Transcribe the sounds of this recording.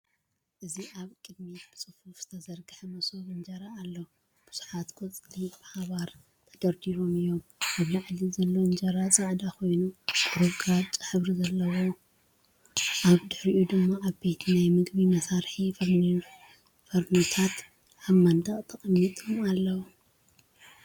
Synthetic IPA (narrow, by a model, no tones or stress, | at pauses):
ʔɨziʔaβkʼɨd̪̚mib̥ɨsʼɨfufz̥ɨt̪ʰɐzɐɾɡɨħɐmɐsoβɨnd͡ʒɐɾaːlːɐw | b̥uz̥u̥ħat̪ɡʰot͡sʼlib̥ɨhaβaɾ | t̪ʰɐɡɐɾd̪iɾomɨjːomʔaβlaʕlizɐlːoɨnd͡ʒɐɾat͡sʼɨʕd̪akʰo̞jnub̥ɨɾɨβɡʼat͡ʃʼɨ̥ħɨβɾizɐlːɐwo | ʔaβd̪ɨħɾiʔud̪ɨmːaʔaβbe̞t̪ʰnajmɨɡbimɐsaɾħif | fɐɾnut̪ʰat̪ | ʕaβmɐnd̪ʰʼɐχʼt̪ʰɐχʼɐmːit̪ʼumalːɐwu